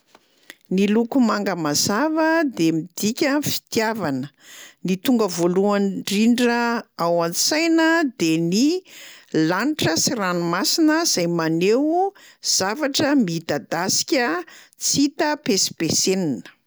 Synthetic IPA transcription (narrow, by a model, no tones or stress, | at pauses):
nilukumaŋɡəmazavəd̪emid̪̥ikʲəfi̥t̪javanə | nit̪uŋɡəvoluaɳɖ͡ʐiɳɖ͡ʐəawansajnəd̪eni | laɳʈ͡ʂəsiranumasinəz̥ajmanewz̥avaʈ͡ʂəmid̪ad̪asi̥kʲə | t͡sit̪əpesi̥peseninə̥